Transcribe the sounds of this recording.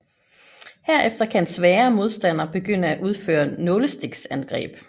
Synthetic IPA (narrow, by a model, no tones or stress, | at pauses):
heɐ̰ʔefd̥ɐkʰæensʋɛːɐmo̝ð̞ˠsd̥æn̰ɐb̥e̝ɡ̥øn̰əæʔuð̞ˠfø̰ːɐnɔləsd̥eɡ̥sænɡ̥ʁɛ̰ːb̥